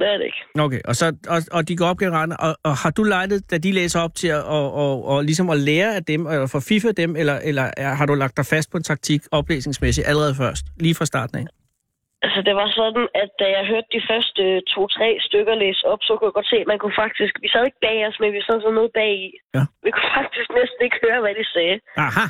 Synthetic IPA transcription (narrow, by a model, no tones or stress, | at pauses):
ddeeɡ̥okʰeːʔɒsɒ̽ɒɒ̽d̥iɡ̥ɒɒ̽b̚ɡ̥enʁɑ̈d̥n̩ʔɒ̽hɑ̈d̥ulɑ̈ɪnð̩ˠd̥æd̥ileːsɐɒ̽b̥̚t͡sʰe̝ɒːlis̬ɒ̽mɒ̽leːɐæd̥emefɒ̽fifð̩ˠd̥emelɐʔelɐæɦɑ̈ɾulɑ̈ɡ̥̚d̥ɑ̈ɪfæsd̥pʰɒ̽e̝nt͡sʰɑ̈ɡ̥̚t͡sʰiɡ̥ɒ̽b̥le̝̰ːsne̝ŋsmes̬id̥ʔæləʁɛːð̞̩ˠfɶɐsd̥liːfʁɑ̈sd̥ɑ̈ːd̥n̩æ | ælsəd̥e̝ʋɑ̈sɒ̽d̥n̩æd̥̚æjɑ̈ɪɦøɐd̥̚ːifɶɐsd̥ət͡sʰo̝̰ːt͡sʰʁɛ̰ːsd̥øɡ̥ɐleːsɒ̽b̥sɒ̽kʰujaɡ̥ɒ̽d̥se̝̰ːmænkʰufɑ̈ɡ̥̚d̥isɡ̥ʋisɛːe̝ɡ̥̚b̥ɛ̰ːɒsmenʋisɛðˠsɛðˠnɔ̽ːð̩ˠb̥ɛ̰ːiæʋikʰu̥fɑ̈ɡ̥̚d̥isɡ̥nesd̥n̩e̝ɡ̥høːɐʋæd̥isɛːɑhɑ